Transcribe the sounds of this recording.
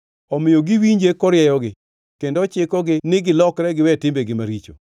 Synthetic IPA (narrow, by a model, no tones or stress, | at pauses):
ɔmɪjoɡiwiɲd͡ʒekɔɾɪɛjɔɡɪ | kendɔt͡ʃɪkɔɡɪnɪɡɪlɔkɾɛɡɪwɛtɪmbeɡɪmaɾit͡ʃo̰